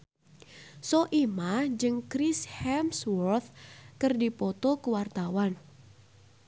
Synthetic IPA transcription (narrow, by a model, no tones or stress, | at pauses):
sɔʔimad͡ʒɨŋkɾishɛmswɔrt̪kɨrdipɔt̪ɔkəwart̪awan